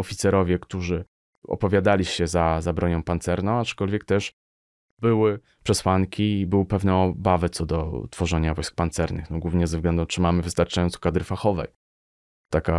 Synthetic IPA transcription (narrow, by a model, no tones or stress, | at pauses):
ɔfʲit̪sɛɾɔvʲjɛkt̪uʐɘ | ɔ̰pɔvʲjad̪alʲiɕɛzazabɾʔɔɲɔ̃w̃pant̪sɛɾnɔ̃w̃at͡ʂkɔlvʲjɛk̚t̪ɛʂ | bɘwɘ | pʂɛswaŋkʲiːbɘwɘpɛvnɛɔbavɛt̪sɔd̪ɔt̪fɔʐɛɲavɔjsk̚pant̪sɛɾnɘ̰xnɔɡwuvɲɛzɛvzɡlɛnd̪ũt͡ʂɘmamɘvɘɨst̪aɾt͡ʂajɔnt̪sɔ̥kad̪ɾɘfaxɔvɛj | t̪aka